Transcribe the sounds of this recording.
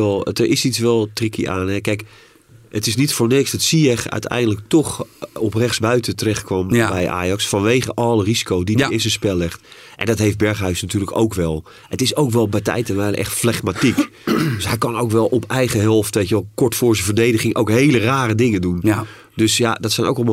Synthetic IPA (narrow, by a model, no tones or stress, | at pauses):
ɛlˠdəɹʔɪsitsʋɛlˠtrikiʔa̰ːnɛkɛjk | ətɪsnitfoːɹnɪksdɔtsiɛxœ̰ɥtʰɛ̰jndələk̚toxɔprɛxsbœɥtətərɛxtkʋɔmbɛjʔa̰ːjɑksfɑnʋeːɣəʔɔlˠərizi̥kowdiəɪs̬əspɛlːɪxt | ʔɛ̰ndɔtɦejft̚bɛɹχɦœɥsnatyːrləko̰wkʋɛlˠ | ətɪsowkʋɛlˠbɛjtɛ̰jtənʋɛjləʔɛ̰xtflɛxmatik | dsɦɛjkɑnowkʋɛlˠɔpɛjɣəɦɛlˠftʋejkəʋɛlˠkɔɹtfʊːɹzəvəɹdejdəɣɪŋʔowkɦejləraːɾədɪŋəndun | døsjadɔtsɛjnʔo̰wkɛlˠ